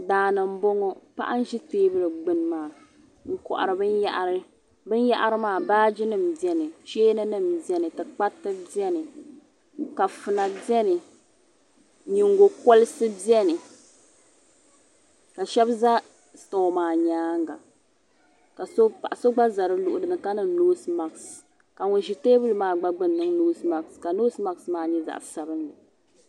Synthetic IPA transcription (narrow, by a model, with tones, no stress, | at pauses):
daː˨nɨ˨m̩˦bo˦ŋo˦pa̰˦ʔa̰˦n̩˦ʒi˦teː˦bɨ˦lɨ˨ɡ͡bɨ˦n˦maː˦˨ | ŋ̩˨kɔ̰˨ʔa̰˨ɾɨ˨bɨ˦na˦ʔɾ | bɨ˦n˦ja̰˦ʔa˦ɾɨ˦maː˦˨baː˦d͡ʒɪ˦nɨ˦m˨bɛ˦nɨ˨ʃeː˦nɨ˦nɨ˦˨mbi˦ɛ˦nɨ˨tɨ˨k͡pa˦tːɨ˦bi˦ɛ˦nɨ˨ | ka˨fɨ˨na˨bɛ˦nɨ˨ | ɲi˨ŋɡo˨kɔ˦lɨ˦sɨ˦bi˦ɛ˦nɨ˨ | ka˨ʃɛ˦bza˦ | stɔ˨maː˨ɲaː˦ŋɡa̰˨ | ka˨so˦pa˨ʔa˨so˦ɡ͡ba˦za˨ɾɨ˦lʊ˨ʔʊ˨dɨ˨nɨ˨ka˦nɨ˨˦noː˦sma˨ks | ka˨ŋʊ˨ʒi˨teː˦bɨ˦lɨ˨˦maː˦˨ɡ͡ba˦ɡ͡bɨ˦nː˨ɨ˦ŋnoː˦sma˨kska˨no˦sma˦ksmaː˦ɲɛ˦za̰˨ʔsa˨bɨ˦nlɨ˨